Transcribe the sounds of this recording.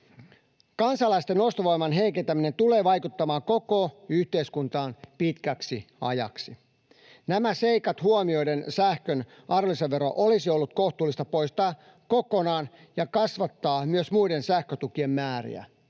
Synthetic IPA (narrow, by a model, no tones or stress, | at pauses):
kɑnsɑlɑist̪eno̞st̪oʋo̞jmɑnɦeikent̪æmine̞nt̪ule̞ːʋɑjkut̪ːɑmɑːko̞ko̞yht̪e̞iskunt̪ɑːnpit̪kæksiɑ̰jɑ̰ksi | næmæse̞ikɑt̪huomio̞jdensæhkøn | ʔɑroliseʋʋeɾo̰ʔolisiolːut̪̚ko̞ht̪uːlːˑist̪ɑpo̞jst̪ɑː | ko̞ko̞nɑːn | jɑkɑsʋɑt̪ːɑːmyøsmuide̞nsæhkøt̪ukie̞mːæːɾḭæ̰